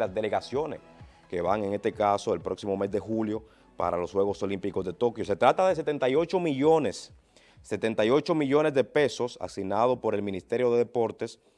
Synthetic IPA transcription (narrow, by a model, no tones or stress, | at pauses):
lazd̪ele̞ɣasjones | keβaŋe̞ŋe̞st̪e̞kaso̞elpɾo̞ksimo̞me̞zd̪e̞xuljo̞ | pa̰ɾalo̞shwe̞ɣo̞so̞limpikozðe̞t̪o̞kjo̞se̞t̪ɾat̪aðe̞s̬et̪e̞nt̪ajo̞t͡ʃo̞miʝo̞nesː | e̞t̪e̞nt̪ajo̞t͡ʃo̞miʝo̞ne̞zðe̞pe̞so̞sa̰sinað̞o̞po̞ɾe̞lmĩnist̪e̞ɾjo̞ðe̞ðe̞po̞ɾt̪e̞s